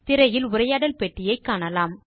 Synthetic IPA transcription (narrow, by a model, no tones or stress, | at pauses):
t̪ɪɾɐjɪlʊɾɐjaːɽɐlpɛʈːɪjɐɪkːaːɳɐlaːm